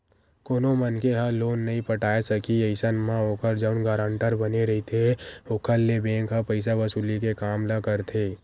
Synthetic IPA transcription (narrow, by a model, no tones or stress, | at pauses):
koːnomənkeɦaloːnːɐɦĩpəʈaːesəkieɪsənmãoːkəɾd͡ʒəʊnɡaːɾãɳʈəɾbəneɾɐɦit̪ʰeoːkʰəlːebẽːŋkɦapəɪs̬abəsuːlikekaːmlakəɾt̪ʰeː